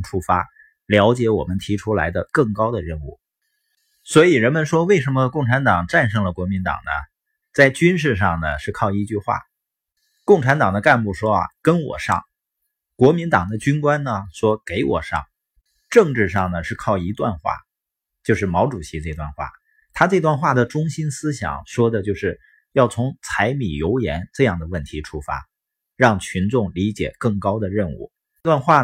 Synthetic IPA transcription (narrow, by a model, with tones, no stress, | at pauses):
ʈ͡ʂʰu˥˩fa˥ | ljɑ˧˥ʊt͡ɕjɛ˧˥wɔ̰˨˩mə˦nt̪ʰi˧˥ʈ͡ʂʰu˥la̰˧˥ɪd̪ə˧kɤ˥˩ŋkɑ˥ʊd̪ə˨ɻə˥˧nṵ˥˩ | swɔ˧˥i˨˩ɻə˧˥nmə˧nʂwɔ˥we˥˩ɪʂ̬ə˧˥nmə˧kʊ˥˩ŋʈ͡ʂʰa˧˥nt̪ɑ˨˩ŋʈ͡ʂa˥˧nʂ̬ɤ˥˩ŋlə˩kwɔ˧˥mi˧˥nt̪ɑ̰˨˩ŋnə̰˦ | t͡sa˥˩ɪt͡ɕy˥nʂ̬ɻ̩˥˧ʂ̬ɑ˥˩ŋnə˩ʂɻ̩˥˧kʰɑ˥˩ʊi˧˥t͡ɕy˥˧xwa̰˥˩ | kʊ˥˩ŋʈ͡ʂʰa˧˥nt̪ɑ˨˩ŋd̪ə˦ka˥˧npu˥˩ʂwɔ˥ɐ̰˨˩kə˥nwɔ̰˨˩ʂɑ̰˥˩ŋ | kwɔ˧˥mi˧˥nt̪ɑ˨˩ŋd̪ə˦t͡ɕy˥nkwa˥nnə˨ʂwɔ˥ke˧˥ɪwɔ̰˨˩ʂɑ̰˥˩ŋ | ʈ͡ʂɤ˥˧ŋʈ͡ʂɻ̩˥˧ʂɑ˥˩ŋnə˩ʂɻ̩˥˧kʰɑ˥˩ʊi˧˥t̪wa̰˥˧nxwa̰˥˩ | t͡ɕjo˥˧ʊʂ̬ɻ̩˥˩mɑ˧˥ʊʈ͡ʂu˨˩ɕi˧˥ʈ͡ʂɤ˥˧˩t̪wa˥˧nxwa̰˥˩ | t̪ʰa˥ʈ͡ʂɤ˥˧t̪wa˥˧nxwa˥˩d̪ə˩ʈ͡ʂʊ˥ŋɕi˥nsɹ̩˥ɕjɑ̰˨˩˦ŋʂwɔ˥d̪ə˨t͡ɕjo˥˧ʊʂɻ̩˥˩ | jɑ˥˩ʊt͡sʰʊ˧˥ŋt͡sʰa˧˥ɪmi˨˩jo˧˥ʊjɛ˧˥nʈ͡ʂɤ˥˧jɑ˥˩ŋd̪ə˩wə˥˩nt̪ʰi˧˥ʈ͡ʂʰu˥fa̰˥ | ɻɑ˥˩ŋt͡ɕʰy˧˥nʈ͡ʂʊ˥˩ŋli˧˥t͡ɕjɛ̰˨˩kɤ˥˩ŋkɑ˥ʊd̪ə˨ɻə˥˧nṵ˥˩ | i˥˧t̪wa˥˧nxwa˥˩